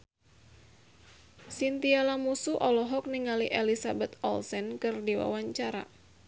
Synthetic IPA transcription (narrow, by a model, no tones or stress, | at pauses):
sint̪ialamusuʔɔlɔɦɔk̚niŋaliʔelisabɛt̪ɔ̰lsɛnkɨrdiwa̰waɲt͡ʃaɾa̰